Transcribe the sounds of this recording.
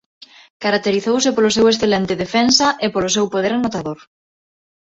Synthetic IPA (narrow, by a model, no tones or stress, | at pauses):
kaɾak̚t̪eɾiθowsɪpolosewesθelent̪ɪðefɛnsɐʔepolʊsɛwpoð̞eɾanot̪aðoɾ